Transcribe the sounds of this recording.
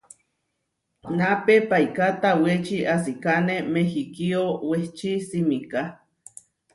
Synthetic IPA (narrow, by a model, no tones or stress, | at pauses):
napepaikat̪awet͡ʃiʔas̬ikanemehikioweht͡ʃisimika